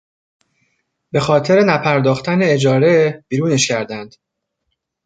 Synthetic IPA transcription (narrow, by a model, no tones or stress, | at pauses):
be̞xɒːt̪ʰe̞ɾe̞næpʰæɾd̪ɒːxt̪æneːd͡ʒɒːɾeb̥iːɾuːne̞ʃcʰæɾd̪ænd̪̥